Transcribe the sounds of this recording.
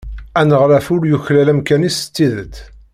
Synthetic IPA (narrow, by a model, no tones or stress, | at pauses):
ænəʁɾæfʊɾjuçlælæmkænisə̥t͡sːiðət̪